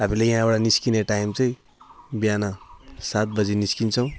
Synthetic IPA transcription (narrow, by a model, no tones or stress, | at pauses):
ɦamilajjɦãaɽaniskineʈaimt͡sʌĩ | bijanasat̪̚bʌd͡ziniskint͡sʰʌw̃